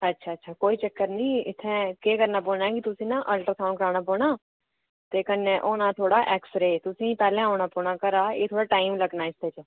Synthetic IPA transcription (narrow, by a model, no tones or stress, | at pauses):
ətːʃʰaːtːʃʰaːkoːit͡ʃəkːəɾnəĩɪt̪ʰːẽkeːkəɾnaːboːlnaːɛkit̪ʊsĩːnãʔəlʈəɾsʰãːnkəɾaːñaːpoːnaː | t̪eːkənːẽʔoːnãt̪ʰoːɽaːʔɛːksɾeːt̪ʊsĩpɛːlẽaːʊɳaːpoːnaːkəɾaːeːt̪ʰoːɽaːʈaːɪmləɡnaːɪst̪ʰeːt͡ʃː